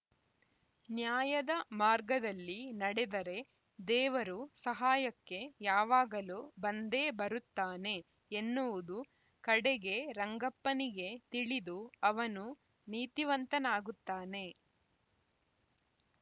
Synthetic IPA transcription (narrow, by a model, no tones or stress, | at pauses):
njaːjɐd̪ɐmaːɾɡɐd̪ɐlːinɐɽɛd̪ɐɾe̞ | d̪ɛːʋɐɾusɐɦaːjɐkːe̞jaːʋaːɡɐlubɐnd̪e̞ːbɐɾut̪ːaːne̞ː | nːuʋud̪u | kɐɽɛɡe̞ɾɐŋɡɐpːɐniɡe̞t̪iɭid̪uɐʋɐnu | niːt̪iʋɐnt̪ɐnaːɡut̪ːaːne̞